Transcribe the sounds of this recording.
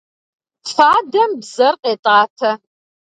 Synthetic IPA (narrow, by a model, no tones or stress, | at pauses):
faːdɐmbz̥ɐrqʼeːtʼaːtʰɐ